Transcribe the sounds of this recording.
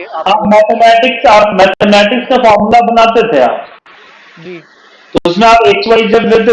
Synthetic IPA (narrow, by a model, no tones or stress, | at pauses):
aːpmɛːt̪ʰemɛːʈɪksaːpmɛːt̪ʰemɛːʈɪkskafaːɾmʊlabɐnaːt̪et̪ʰea̰ːp | t̪oʊsmẽaːpeːk̚t͡ʃʋaːid͡ʒɐblet̪e